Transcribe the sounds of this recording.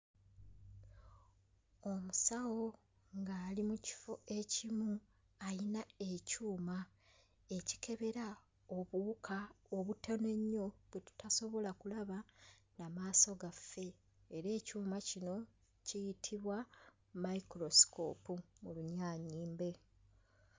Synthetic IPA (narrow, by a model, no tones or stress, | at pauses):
o̞musawo̞ | ŋɡaːlimuci̥foe̞cimu | ajinae̞cuːma | e̞ci̥kʰe̞βe̞ɾa | oβuːkʰaoβutʰene̞ɲːo̞βwetu̥taso̞βo̞lakulaβanamaːso̞ɡafːe̞ː | ɾe̞ːcuːmacino̞ | cijitʰiβwa | maikɾo̞sko̞pumuluɲaːɲiːmbe̞